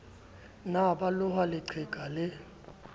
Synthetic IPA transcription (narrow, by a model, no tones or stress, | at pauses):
naɓalʊɦalɪǀʰɛɡ̥ʱalɛ